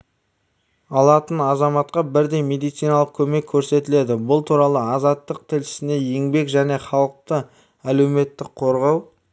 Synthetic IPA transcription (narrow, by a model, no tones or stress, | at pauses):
ɑlˠɑt̪ənɑzɑmɑt̪̚qɑbɪɾd̪e̞jme̞d̪ijt̪sijnɑlˠəq̚kʲʰɵme̞kʲʰːɵɾse̞t̪ɪle̞d̪ɪbʊlˠt̪ʰuɾɑlˠəɑzɑt̪ːəq̚t̪ʰɪlʃɪ̥sɪne̞je̞ŋbe̞kʒæne̞χɑlˠəq̚t̪ə | æle̞wme̞t̪ːɪkqʰo̞ɾʁɑw